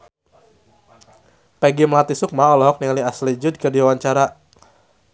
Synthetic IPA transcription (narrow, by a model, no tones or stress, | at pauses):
pɛɡiməlat̪isʊk̚maɔlɔɦɔk̚niŋaliaslid͡ʒʊd̪̚kərdiwawaɲt͡ʃaɾa